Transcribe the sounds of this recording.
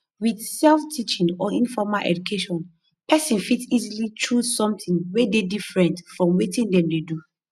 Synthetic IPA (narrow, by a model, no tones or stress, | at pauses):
wiθsɛlftʰit͡ʃĩŋɔĩnfɔmalʔɛ̰dukʰeʃɔ̃n | pʰɛsɛ̃nfitsizilitʰɹusɔ̃mtĩŋwededifɹɛ̃ntfɹɔ̃mwetĩŋdɛ̃mdedu